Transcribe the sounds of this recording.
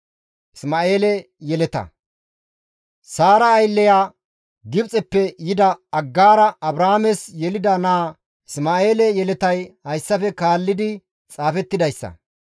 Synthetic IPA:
ʔɪsmaːeːlɛ | jɛlɛt̪ɐ̰ | saːɾɐːjlːɛjaː | ɡɪbt͡sʼɛpːɛjɪd̪ɐɐɡːaːɾɐɐbɾaːmɛsjɛlɪd̪ɐnaː | ɪsmaːeːlɛjɛlɛt̪ɐjhɐjsːɐfɛkaːlːɪd̪ɪ | t͡sʼaːfɛt̪ːɪd̪ɐjsːɐ̰

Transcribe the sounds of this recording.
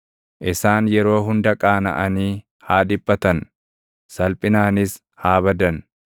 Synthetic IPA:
ʔɪsaːnjɛɾo̞ːɦʊnd̪ɐkʼaːnɐ̰ʔɐniː | haːd̪ɪbːɐt̪ɐn | sɐlpʼɪnaːnɪs | haːβɐd̪ɐn

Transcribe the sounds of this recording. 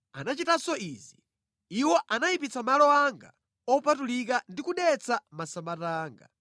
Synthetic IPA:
anat͡ʃitasɔiːzi | iwɔʔanajipit͡sʰamalɔaŋɡa̰ | ɔpatulikandikuɗɛt͡sʰamasamataːŋɡa̰

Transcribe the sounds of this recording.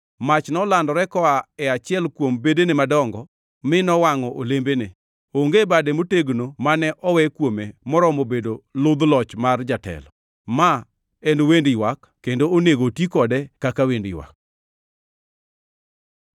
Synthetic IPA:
mat͡ʃnɔlandɔɾɛkɔaɛat͡ʃɪɛlkwombedenemadɔŋɡɔ | mɪnɔwaŋɔʔolembene | oŋɡebadɛmoteɡnomanɛʔɔwɛkwomemɔɾɔmobedolʊd̪lɔt͡ʃmard͡ʒatɛ̰lɔ | ma | endowendɪwakːendooneɡotikɔdɛkakawendɪ̰wa̰k̚

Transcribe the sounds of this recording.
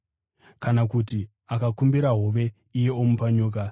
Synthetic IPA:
kanakuti | akakumbiɾaɦoʋe̞ | ijeomupaɲuːk̬a

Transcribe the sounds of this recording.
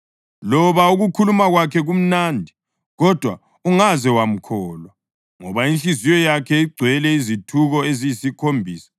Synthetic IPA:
lɔβauɣukʰulumaɣwakʰɛɣum̩nandʱi | ɣɔd̥ʱwa | uŋazɛwam̩kʰɔːlwa | ŋɔβaint͡ɬizijɔjakʰɛiɡ͡ǀʱwɛlɛizitʰuɣɔezijisikʰombʱiːsḁ

